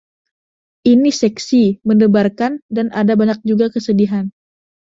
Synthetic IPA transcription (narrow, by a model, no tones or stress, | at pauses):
ʔinisɛksimənəbarkandanʔadabaɲak̚d͡ʒuɡakəsədiɦan